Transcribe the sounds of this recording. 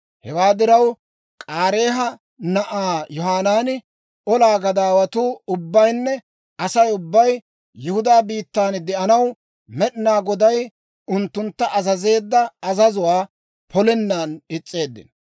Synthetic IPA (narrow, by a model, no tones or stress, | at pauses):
hɛwaːd̪ɪɾɐw | kʼaːɾe̞ːɦɐ | nɐʔaːjɔɦaːnaːnɪ | ʔɔlaːɡɐd̪aːwɐt̪uːʊbːɐjnːɛ | ɐsɐjʊbːɐj | jɪhʊd̪aːbiːt̪ːaːnɪd̪ɛʔɐnɐw | mɛɗɪnaːɡɔd̪ɐj | ʊnt̪ːʊnt̪ːɐʔɐzɐze̞ːd̪ːɐɐzɐzʊwaː | pʰɔlɛnːaːnɪt͡sʼːe̞ːd̪ːɪ̰n